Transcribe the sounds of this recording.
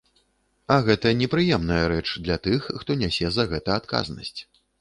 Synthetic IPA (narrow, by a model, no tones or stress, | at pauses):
ɐɣɛt̪ɐnʲɛpɾɨjɛmnɐjɐɾɛt͡ʂd̪lʲat̪ɨxːt̪ɔnʲasʲɛzɐɣɛt̪ɐat̪ka̰znɐ̰sʲt͡sʲ